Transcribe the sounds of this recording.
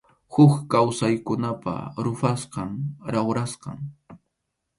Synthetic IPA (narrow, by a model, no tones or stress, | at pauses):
hʊkkawsajkʊnapa̰ɾʊfasqɑŋɾawɾasqɑ̰ŋ